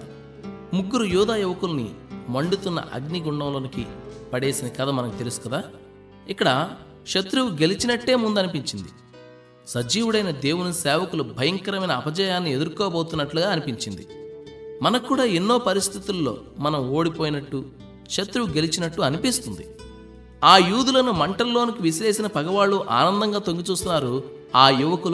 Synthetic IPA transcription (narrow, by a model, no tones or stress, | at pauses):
muɡːuɾujuːd̪aːjuʋɐkulɐnḭmɐɳɖut̪unːɐ̰ʔɐ̰ɡniɡuɳɖɐmloːnikipɐɽe̞ːsinɐkɐd̪ɐmɐnɐkt̪elusu̥kɐd̪aː | ikːɐɽɐ | ʃɐt̪ɾuʋuɡe̞lit͡ʃinɐʈːe̞ːmund̪ɐnipiɲt͡ʃind̪i | sɐd͡ʒiːwuɽɐjnɐd̪e̞ːwunisɛːʋɐkulubʱɐjɐŋkɐɾɐmɐjnɐːbʱɐd͡ʒaːjaːnːie̞d̪uɾkɔːbo̞ːt̪unːɐʈluɡaːɐnipiɲt͡ʃind̪i | mɐnɐkːuːɽaːenːo̞ːpɐɾist̪ʰit̪ulːo̞̰ː | mɐnɐmo̞ːɽipoːjinɐʈːu | ʃɐt̪ɾuʋuɡe̞lit͡ʃinɐʈːuɐnipist̪und̪i | aːjuːd̪ulɐnumɐɳʈɐlːo̞ːnikiʋisle̞ːsinɐpɐɡɐʋaːɭːuʔa̰ːnɐnd̪ɐŋɡaːt̪oŋɡit͡ʃuːst̪unːaːɾu | aːjuʋɐkul